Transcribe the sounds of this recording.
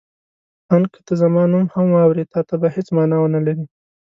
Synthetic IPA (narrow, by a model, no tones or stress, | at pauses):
ɑnkə̥t̪əzamɑnumhamwɑwɾet̪ɑt̪abahet͡smɑnɑwənalaɾi